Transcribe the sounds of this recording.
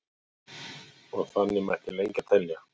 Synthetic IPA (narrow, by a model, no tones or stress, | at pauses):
ɔɣθanːɪmɾɛhcɪlejɲcat̪ʰɛlja